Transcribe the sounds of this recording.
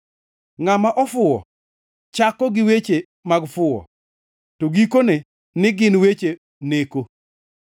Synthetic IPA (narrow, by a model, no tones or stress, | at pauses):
ŋamaʔɔfʊɔ̰ | t͡ʃakɔɡɪwet͡ʃe | maɡfʊɔ̰ | toɡikone | nɪɡɪnwet͡ʃe | neko